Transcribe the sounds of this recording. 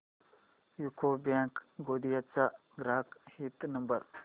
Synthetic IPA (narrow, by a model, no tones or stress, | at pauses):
jukʰobjaːŋkɡoːd̪ijɐt͡sa | ɡɾaːkhit̪nɐmbəɾ